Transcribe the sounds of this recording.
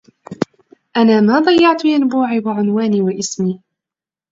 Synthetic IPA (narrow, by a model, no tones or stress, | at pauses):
ʔanaːmaːd̪ˤɑjːɑʕt̪ʊjanbuːʕiːwaʕʊnwaːniːwaʔɪsmiː